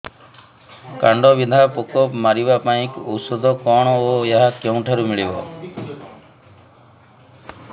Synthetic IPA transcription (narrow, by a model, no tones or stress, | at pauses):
kaɳɖɔbid̪ʱapokɔpmaɾibapaĩkɔsɔd̪ʱɔkɔɽ̃ɔojeɦakeũʈʰaɾumiɭibɔ̰